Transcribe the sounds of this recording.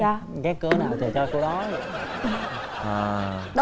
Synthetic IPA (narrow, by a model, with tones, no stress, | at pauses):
ɔ˧ | kaː˨˦jkːɨ˨˦ənaː˨˩wt͡ɕəː˨˩t͡ɕɔ˧ku˧˦ɗɔ˨˦z̰ | ʔəː˨˩ɗ